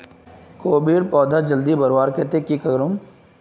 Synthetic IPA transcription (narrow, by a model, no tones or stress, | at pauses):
koːbiːɾpɔːd̪ʱad͡ʒəld̪ibɐɾʋaːɾkɛːt̪ekikɐɡɾʊm